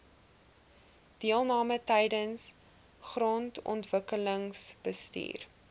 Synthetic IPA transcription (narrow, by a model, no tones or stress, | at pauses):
d̥iəlˠnɑːmətɛjdəns | χrɔntɔ̰ntvəkələŋsb̥əstḭːr